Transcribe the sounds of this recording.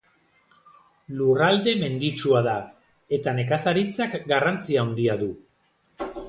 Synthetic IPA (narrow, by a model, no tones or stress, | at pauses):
lurald̪e̞me̞nd̪it͡ʃuaða | e̞t̪ane̞kasaɾit͡sakɡarant͡siaond̪iaðu